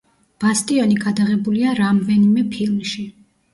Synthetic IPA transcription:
b̥ast̪ʼiɔniɡad̪aʁɛbuliaɾamd̪ɛnimɛpʰilˠmʃi

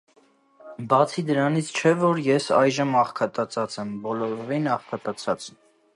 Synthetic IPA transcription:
bɑt͡sʰid̪əɾɑnit͡sʰt͡ʃʰɛvɔɾjɛsɑjʒəmɑχkʰɑt̪ɑt͡sʰɑt͡sɛmbɔlɔɾɔvinɑχkʰɑt̪ʼɑt͡sʰɑt͡s

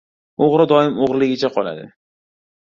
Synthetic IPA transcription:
oʁɾɪd̪ɒɪmoʁɾlɪɡʲɪt͡ʃʰaqʰɒlˠa̰d̪ɪ̰

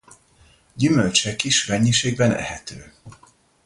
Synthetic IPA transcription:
ɟymølt͡ʃɛkiʃmɛɲːiʃeːɡ̚bɛnʔɛ̰ɦɛt̪ʰøː

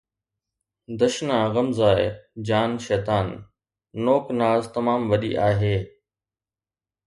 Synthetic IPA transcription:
d̪ɐʃnaɣɐmzaːed͡ʑaːnʃɛːt̪aːnː | oːknaːzt̪ɐmaːmʋɐɗḭʔaːɦeː

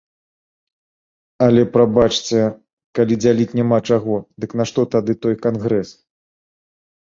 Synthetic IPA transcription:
ɐlʲɛpɾabat͡ʂt͡sʲɛ | kalʲid͡zʲalʲit͡sʲnʲamat͡ʂaɣɔd̪ɨkn̪aʂt̪ɔt̪ad̪ɨt̪ɔjkanɣɾɛs

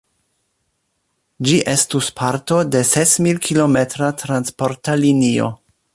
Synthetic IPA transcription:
d͡ʒiʔe̞stuspʰaɾto̞de̞sesmilkʰilo̞me̞tɾatɾanspo̞ɾtalinio̞̰

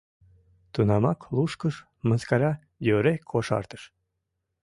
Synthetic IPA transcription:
t̪unɑmɑklˠuʃkəʃ | mənskɑɾʲɑ | jøɾekʰoʃɑ̰rt̪ə̥ʃ

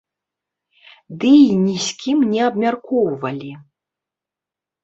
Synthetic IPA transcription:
d̪ɨinʲisʲkʲimnʲɛabmʲarkɔwvɐlʲi

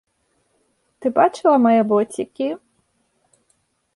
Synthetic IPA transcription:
t̪ɨbat͡ʃɨlˠɐmɐjɛbɔt͡sʲikʲi

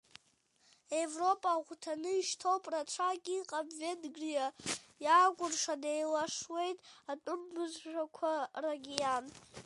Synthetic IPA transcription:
evro̞pʼaʁʷtʰanɨiʃtʰo̞wpʼrat͡ʃʷʰaɡʲʼiqʼabvedɡrijajaːkʷʼʊrʂadejlaʂwe̞jtʼatʼʊmːɨzʒʷᶣakʷʰaraɡʲijan

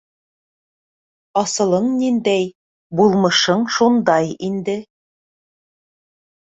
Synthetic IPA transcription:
ɑsɤ̆lˠɤɴnind̪æj | bulˠmɤ̆ʃɤɴʃund̪ɑjind̪ɘ

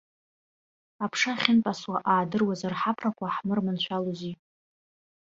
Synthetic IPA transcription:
apʰʂaχʲɪnpʼaswaʔaːdɨrwazarħapʰrakʷʰaħmɨrmɨnʃʷᶣalozi

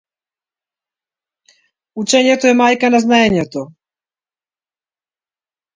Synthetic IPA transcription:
ut͡ʃɛɲɛt̪oɛmajkanaznaɛɲɛt̪o

